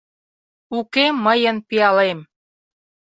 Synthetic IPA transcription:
ukemːəjənpiɑlem

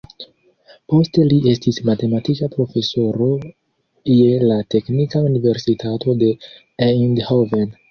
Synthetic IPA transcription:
po̞ste̞liʔe̞stismate̞matikapɾo̞fe̞so̞ɾo̞ | jelate̞knikaunive̞ɾsitʰatʰo̞de̞ | eindhoven

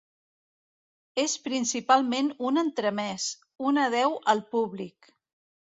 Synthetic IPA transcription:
espɾinsipalˠmenunənt̪ɾəmɛs | unəð̞ɛwʔəlˠpuβlik

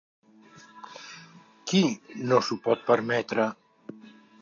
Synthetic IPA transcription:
kinosupɔt̪̚pəɾmɛt̪ɾə

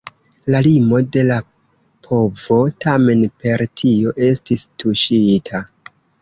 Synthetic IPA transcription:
lalimo̞de̞la | pʰo̞vo̞tʰame̞npe̞ɾtʰio̞ʔe̞stistuʃitʰa

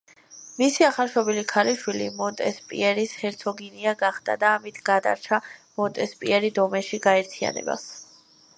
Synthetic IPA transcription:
misiaχalˠʃɔbilikʰaɾiʃwilḭmɔnt̪ʼɛspʼḭɛɾishɛɾt̪sʰɔɡiniaɡaχd̪a̰d̪aːmit̪ʰɡ̥ad̪a̰ɾt͡ʃʰamɔnt̪ʼɛspʼiɛɾid̪ɔmɛʃiɡaɛɾt̪ʰia̰nɛ̰ba̰s

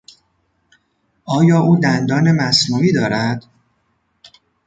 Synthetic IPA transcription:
ʔɒːjɒːʔuːd̪ænd̪ɒːnemæsnuːiːd̪ɒːɾæd̪̥

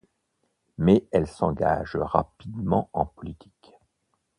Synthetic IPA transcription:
mɛɛlsɑ̃ɡa̰ʒʁapid̪mɑ̰̃ɑ̃pɔlit̪ʰi̥k

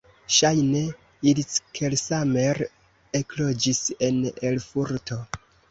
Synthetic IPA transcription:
ʃajne̞ | iliskʰelsame̞ɾ | eklo̞d͡ʒise̞nelfuɾto̞

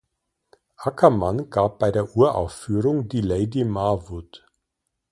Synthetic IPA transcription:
ʔakʰɐmanɡ̥aːp̚b̥aɪdeːɐʔuːɐʔa̰ʊfːyːʁʊŋdiːleɪdimavut

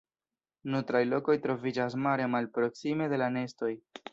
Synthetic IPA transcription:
nutɾajlo̞ko̞jtɾo̞vid͡ʒas̬maɾe̞malpɾo̞ksime̞de̞lane̞sto̞j

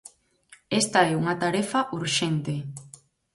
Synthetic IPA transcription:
est̪aɛuŋat̪aɾefaʔuɾʃent̪e

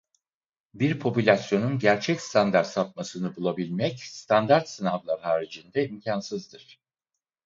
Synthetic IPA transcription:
biɾpʰo̞pylʲasjo̞nunɟæɾt͡ʃʰɛcst̪ʰand̪aɾt̪sap̪̚masɯnɯbulˠabilʲmɛcst̪ʰand̪aɾt̪sɯnavlˠaɾɦaːɾid͡ʒind̪ɛimcʰansɯzd̪ɯɾ̥

